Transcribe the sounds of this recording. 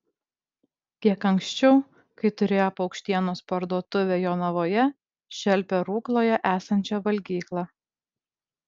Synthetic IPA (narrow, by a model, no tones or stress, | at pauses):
kʲiɛkɐŋksʲt͡ʃʲɛʊ | kɐɪt̪ʊɾʲeːjopɐʊkʃʲt̪ʲiɛnoːspɐɾd̪uɔt̪ʊʋʲeːjoːnɐʋoːjɛ | ʃʲɛlʲpʲeɾuːklˠoːjɛʔæːsɐnʲt͡ʃʲɛʋɐlʲɡʲiːklˠɑ